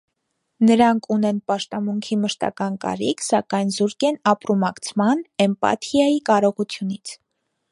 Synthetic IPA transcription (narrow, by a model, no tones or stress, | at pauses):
nəɾɑŋkʰunɛnpɑʃt̪ɑmuŋkʰiməʃt̪ɑ̰kɑnkɑ̰ɾikʰsɑkɑjnzuɾkɛnɑpɾumɑkt͡sʰmɑnɛmpɑ̰t̪ʰijɑjikɑɾɔʁut͡sʰjunit͡sʰ